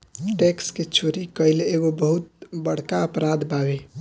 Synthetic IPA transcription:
ʈeksket͡ʃʰoɾikəɪleɡobəɦut̪̚bəɽ̤kaəpɾad̪babe

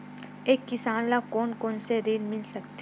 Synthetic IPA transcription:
eːkːɪsaːnlakoːnkɔːnseɾeːlmɪlsɐk̚t̪

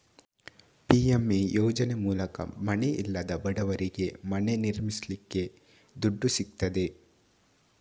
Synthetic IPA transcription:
piemijoːd͡ʒɐnemuːlɐkɐ̰mɐneʔḭlːɐd̪ɐbɐɽɐʋɐɾiɡe̞mɐne̞niɾmislikːe̞ | d̪uɖːusik̚t̪ɐd̪e̞

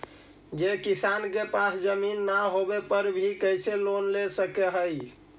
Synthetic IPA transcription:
d͡ʒekisankepasd͡ʒəminːaɦobepəɾbʱikəjselonlesəkeɦəj

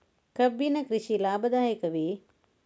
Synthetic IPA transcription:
kɐbinɐkɾɪʃilaːbɐd̪aːjeːkɐʋi

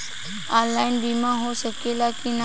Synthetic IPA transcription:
alainbimãɦosəkelakina

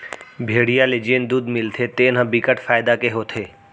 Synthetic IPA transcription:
bʱeːɽijaled͡ʒeːnd̪uːd̪mɪlt̪ʰet̪eːnɦãbɪkəʈfaːɪd̪akeɦoːt̪ʰeː

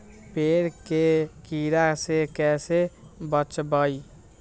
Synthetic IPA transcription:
peɾkekiɾasekɛːsebət͡ʃbəj

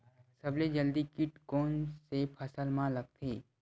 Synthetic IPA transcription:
səbled͡ʒəld̪ikɪʈkoːnsepʰəsəlmãləɡ̚t̪ʰeː

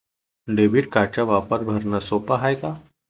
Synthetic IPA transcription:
ɖebiʈ̚kãt͡ɕaʋapəɾbʱɐɾnasoːpaɦajka

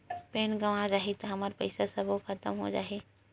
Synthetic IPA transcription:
peːnɡɐʋad͡ʒaːɦet̪ɐɦɐməɾpɐ̰ɪsasɐbokʰɐt̪əmɦo̰d͡ʒa̰ːɦeː

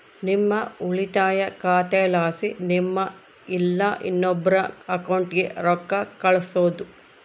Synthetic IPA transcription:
nimːɐuɭit̪aːjɐkaːt̪ɛːlaːsinimːɐ | ilːɐʔḭnːɔbːɐɾɐɐkɐwɳʈɡe̞̰ɾɔkːɐkɐɭɐsoːd̪u

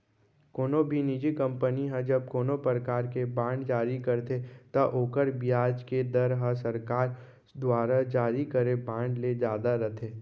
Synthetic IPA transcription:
koːnobʱinid͡ʒikɐ̃mpəniɦɛ̃d͡ʒɐb̚koːnopɾəkaːɾkebãːɳɖd͡ʒaːɾikɐɾt̪ʰet̪ɐʔoːkəɾbijaːd͡ʒked̪ɐɾɦasɐɾkaːɾ | d̪waːɾad͡ʒaːɾikəɾebãːɳɖled͡ʒjaːd̪aɾɐt̪ʰeː

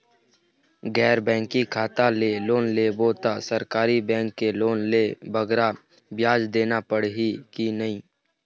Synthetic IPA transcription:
ɡɛːɾbɛ̃ːŋkikʰaːt̪aleːloːnleboːt̪asəɾkaːɾibɛ̃ːŋkːeloːnleːbəɡɾa | bjaːd͡ʒd̪eːnapəɽɦikinɐɦĩː

